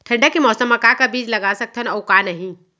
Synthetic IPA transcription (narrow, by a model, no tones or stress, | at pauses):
ʈʰə̃ɳɖakimɔːsəmɐkakabiːd͡ʒlɐɡasɐk̚t̪ʰənɔʊkanɐɦĩ